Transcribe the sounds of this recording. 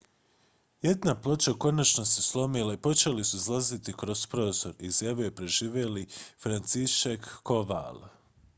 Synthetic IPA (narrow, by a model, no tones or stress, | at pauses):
je̞d̪naplˠot͡ʃako̞nat͡ʃnoseslˠo̞milˠaipo̞t͡ʃelisuzlˠazit̪ikɾo̞spɾo̞zo̞ɾizjaʋioepɾe̞ʒiːʋelifɾant̪siʃekːo̞ʋa̰lˠ